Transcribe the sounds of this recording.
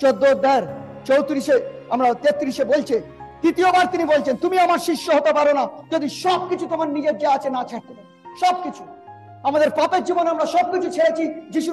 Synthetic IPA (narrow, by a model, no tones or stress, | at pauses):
t͡ɕod̪ːood̪ʱːaeɾt͡ɕowt̪ɾiʃeamɾat̪et̪ːɾiʃebolt͡ɕʰed̪ɾit̪iobaɾt̪inibolt͡ɕʰent̪umiamaɾʃiʃːoɦot̪epaɾonad͡ʑod̪iʃɔb̚kit͡ɕʰut̪omaɾnid͡ʑeɾd͡ʑaat͡ɕʰenat͡ɕʰaɾt̪eb̪e | ʃɔb̚kit͡ɕʰu̥ | amad̪eɾpapeɾd͡ʑibonamɾaʃɔb̚kit͡ɕʰut͡ɕʰeɽet͡ɕʰid͡ʑiʃu